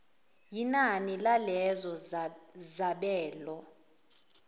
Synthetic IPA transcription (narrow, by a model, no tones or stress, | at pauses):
jinanilalɛzɔ | zaɓɛːlɔ